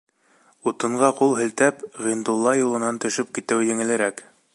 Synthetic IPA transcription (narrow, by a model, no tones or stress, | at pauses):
ut̪ɤ̆ɴɢɑqulˠɦɘ̆lt̪æpʁind̪ulˠːɑjulˠɤ̆nɑnt̪ɵ̆ʃɵp̚kit̪ɘwjɘ̆ŋɘ̆lɘ̆ɾæk